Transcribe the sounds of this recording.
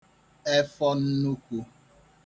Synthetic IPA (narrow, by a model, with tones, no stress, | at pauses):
e˦fɔ˦n̩˦nu˦kʷu˦